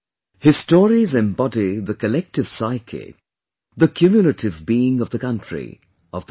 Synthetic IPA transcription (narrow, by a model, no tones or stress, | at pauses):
hɪstɔːɹizɨ̃mbɑdiðəkəlɛk̚tɨv̥saɪkʰɪ̰ | ðəkʰjumjulətʰɪvbiɪ̃ŋʌvðəkʌ̃ntɹ̥ḭ | ʔʌvð